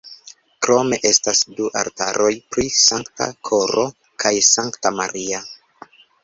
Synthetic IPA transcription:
kɾo̞me̞ʔe̞stasduʔa̰ɾtaɾo̞jpɾisaŋkta̰kʰo̞ɾo̞ | kʰajsaŋktamaɾia

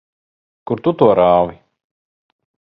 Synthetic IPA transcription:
kuɾt̪ut̪uɔɾaːvi

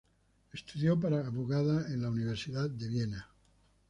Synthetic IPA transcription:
est̪uðjopaɾaːβuɣaðaenlauniβ̞eɾsiðat̪̚d̪eβ̞jena

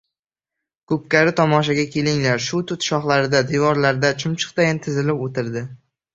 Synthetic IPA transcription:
kʰɵp̚kʲaɾɪt̪ʰɒmɒʃaɡʲakʲʰe̞lɪŋlaɾʃʊt̪ʰʊt̪ʃɒχlˠaɾɪd̪ad̪evɒɾlaɾd̪at͡ʃʰʊmt͡ʃʰɨ̥q̚t̪ajɪnt̪ʰɪzɪlɪpot̪ʰɪɾd̪ɪ

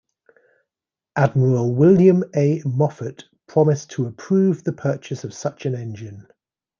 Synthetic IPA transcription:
ʔad̚məɹəlˠwɪljə̃meɪmɒfəʔpʰɹ̥ɒmɪstʰəɪpʰɹ̥ʉːvðəpʰɜˑt͡ʃɪsəv̥sʌt͡ʃə̃nɛ̃nd͡ʒɪ̃n

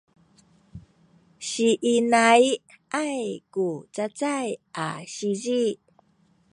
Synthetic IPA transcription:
ɕiʔinaj | ʔajkut͡sat͡sajʔaɕizi

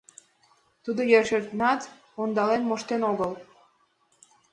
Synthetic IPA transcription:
t̪ud̪ojørʃeɾt̪nɑt̪ | ond̪ɑlenmoʃt̪enoɣəl

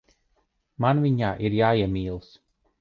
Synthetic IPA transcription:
manviɲaːʔiɾjaːiɛmiːlˠs

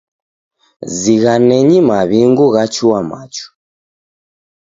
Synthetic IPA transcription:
ziɣanɛɲimaβiŋɡuɣat͡ʃuamat͡ʃu̥

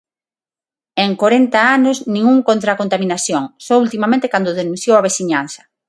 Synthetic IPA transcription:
eŋkoɾent̪aanʊznĩŋuŋkõnt̪ɾakont̪amĩnaθjoŋsɔult̪imamẽnt̪ekand̪ʊðenũn̟θjowɐβ̞esiɲan̟θɐ̥

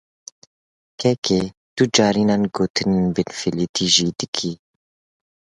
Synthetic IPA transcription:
kʰɛkʰe | t̪ud͡ʒɑːɾiːnɑːnɡoːt̪ʰɨnenbɪnfilit̪ʰiːʒiːd̪ɨkʰi

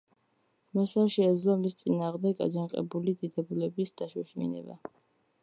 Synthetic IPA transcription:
mɛsaʃɛːd̪zlˠɔmist̪sʼinaːʁmd̪ɛɡa̰d͡ʒanqʼɛ̰bulid̪id̪ɛbulɛbisd̪̥aʃuʃmḭnɛ̰ba̰

